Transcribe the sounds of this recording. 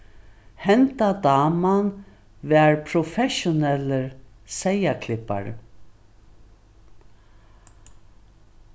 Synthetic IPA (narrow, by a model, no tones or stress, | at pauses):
hɛnt̪ad̪ɑːman | vɛːɹpʰɾɔfɛʃʊnɛləɾ | sɛjakʰlɪpa̰ɾ̰